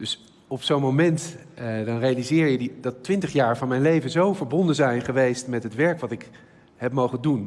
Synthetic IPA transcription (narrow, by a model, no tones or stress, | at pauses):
d̥ɵs | ɔpsownmowmɛntdɑnrejalizɪːɹjədidɑtːʋɪntəχjaːɹvɑnmɛjnlejvənzowvəɹbɔndənzɛjnχəʋejstmɛtɦətʋɛɹkʋɑtɪk | ɦɛpmowχəndun